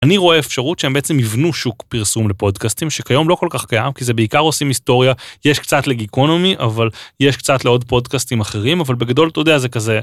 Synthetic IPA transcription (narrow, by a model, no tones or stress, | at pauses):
aniʁo̞eefʃaʁutʃeembeet͡se̞mivnuʃukpiʁsumle̞po̞dkastimʃekajo̞mlo̞ko̞lkaχkajamkize̞beikaʁo̞simisto̞ʁjaje̞ʃkt͡satleɡikonomiʔavaljeʃkt͡satleo̞dpo̞dkastimaχe̞ʁimavalbe̞ɡado̞ltodeazekaze